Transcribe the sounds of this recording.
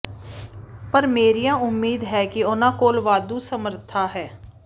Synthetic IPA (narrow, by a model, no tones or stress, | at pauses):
pəɾmeːɾijãːʊmːiːd̪ɦɛːkɪʊnãːkoːlʋaːd̪uːsəməɾt̪ʰaːɦɛː